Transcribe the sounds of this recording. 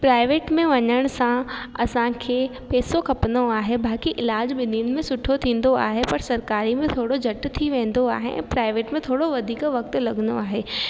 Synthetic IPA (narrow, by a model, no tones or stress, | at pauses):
pɾaːɪʋeːʈmẽʋɐɲəɽ̃ʊsãɐsãkʰeːpeːsokʰɐpnoaːɦebaːkiʔɪlaːd͡ʑbɪniːnmẽsʊʈʰot̪ʰĩːn̆d̪oa̰ːɦepɐɾsɐɾkaːɾimẽt̪ʰoːɽod͡ʑʱɐʈt̪ʰiʋẽːn̆d̪oaːɦḛʔɛ̰̃ːpɾaːɪʋeːʈmẽt̪ʰoːɽoʋɐd̪ʱiːkʋɐk̚t̪̆lɐɠənd̪o̰aːɦeː